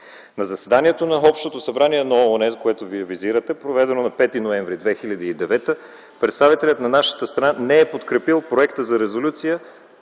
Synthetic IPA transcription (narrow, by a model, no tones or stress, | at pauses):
nɐzɐsɛd̪aniɛt̪onɐɔpʃt̪ot̪osɐbɾaniɛnɐoːnɛzkoɛt̪oviɛviziɾət̪ɛpɾovɛd̪ɛnonɐpɛt̪inoɛ̃ɱvɾid̪vɛxilʲɐd̪iːd̪ɛvɛt̪ə | pɾɛt̪st̪avit̪ɛlʲət̪nɐnaʃə̥t̪əst̪ɾɐnanɛɛpot̪kɾɛpilˠpɾoɛkt̪əzɐɾɛzolʲut̪sijə